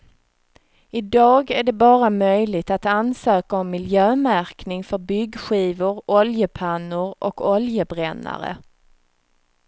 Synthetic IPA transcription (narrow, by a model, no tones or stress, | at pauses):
ɪd̪ɑːɡæɖɛbɑːɾamœjlɪɡ̚t̪at̪ansøːkaɔmːɪljøːmæɾknɪŋfœɾbʏɡːɧiːvʊɾɔljəpʰanːʊɾʔɔkɔljəbɾɛnːa̰ɾə̰